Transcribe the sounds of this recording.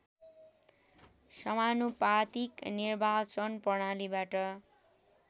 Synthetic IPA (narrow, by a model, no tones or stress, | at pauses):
sʌmanupat̪iknirbʱat͡sʌnpʌɽ̃alibaʈʌ